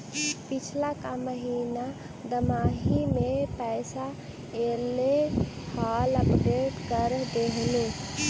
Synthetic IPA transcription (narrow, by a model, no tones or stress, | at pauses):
pit͡ʃʰlakaməɦina | d̪əmaɦimepɛɪsa | elehaləpɾeʈkəɾd̪eɦli